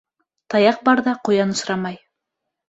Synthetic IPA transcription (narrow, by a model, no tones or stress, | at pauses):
t̪ɑjɑq̚bɑɾðɑqujɑnŏsɾɑmɑj